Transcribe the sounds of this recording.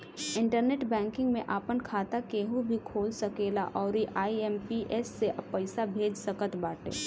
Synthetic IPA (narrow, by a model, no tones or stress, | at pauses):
ɪ̃ɳʈəɾneːʈbɛ̃ːŋkɪ̃ŋɡmẽʔaːpənkʰaːt̪akeːɦubʱikʰoːlsəkeːla̰ʔɔːɾiʔaːiɛːmpiʔeːsːeʔpəɪsabʱeːd͡ʒsəkət̪baːʈḛː